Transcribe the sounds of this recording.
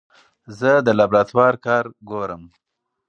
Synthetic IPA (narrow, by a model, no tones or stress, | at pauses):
zəd̪əlabɾat̪wɑɾkɑɾɡoɾəm